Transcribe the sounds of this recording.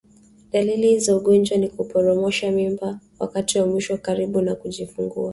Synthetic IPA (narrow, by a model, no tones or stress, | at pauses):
ɗalilizauɠɔnd͡ʒwanikupɔɾɔmɔʃamimbawa̰katiwamwiʃɔkaɾiɓunakuʄifuŋɡṵa